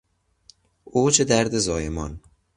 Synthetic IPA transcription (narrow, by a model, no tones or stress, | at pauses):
ʔoːt͡ʃʰed̪æɾd̪ezɒːjemɒn